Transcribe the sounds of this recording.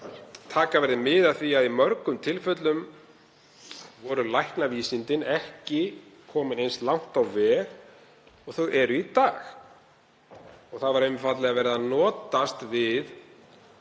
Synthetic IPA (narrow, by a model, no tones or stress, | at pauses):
t̪ʰaːkavɛɾðɪmɪðaðθiaðimœɾkʏmt̪ʰɪlfœt̪lʏm | vɔɾʏlajhknaviːsint̪ɪnɛhcɪkʰɔːmɪnejnst̪lawŋ̥t̪awvɛːɣ | ɔɣθœɣɛɾʏit̪aːx | ɔɣθaðvaɾejmfat̪lɛɣavɛɾɪðanɔːt̪ast̪vɪð